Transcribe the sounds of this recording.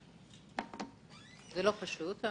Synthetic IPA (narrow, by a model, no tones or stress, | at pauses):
zɛlopaʃut̪a